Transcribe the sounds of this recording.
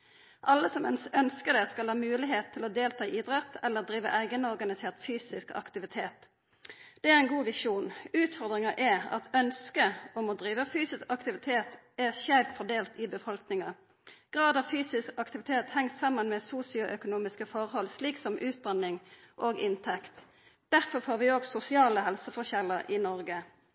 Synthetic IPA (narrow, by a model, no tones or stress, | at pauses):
ʔɑlːəsɔmnsœnskəd̪ɛskɑlhɑːmʉːlɪɦeːt̪ʰːɪlɔd̪eːlt̪ʰɑːʔid̪ɾʁɛt̪ʰːɛlːəʁd̪ɾiːʋə̰ʔæɪɡənɔʁɡɑnɪseːʁt̪fyːsɪskɑ̰kt̪ɪʋɪt̪ʰeːt̪ | d̪̥ɛæʁɛnɡuːʋɪʂuːnʉːt̪fɔʁd̪ʁɪŋɑʔɛɑ̰t̪œnskəɔmɔd̪ʁiːʋəfyːsɪskɑkt̪ɪʋɪt̪ʰeːt̪ | æʁçæɾfɔʁd̪eːlt̪ɪbəfɔlknɪŋɑ | ɡ̥ʁɑːd̪ɑʋfyːsɪskɑkt̪ɪʋɪt̪ʰeːt̪hɛŋsɑmːənmɛsuːsɪʊʔœkʊnuːmɪskəfɔʁhɔlsliːksɔmʔʉːt̪̚d̪ɑnːɪŋʔoːɡɪnt̪ʰɛkt̪ | d̪̥æʁfɔʁfoːʁʋɪoːɡsʊsɪɑːləhɛlsəfɔçɛləʁʔɪnɔʁɡə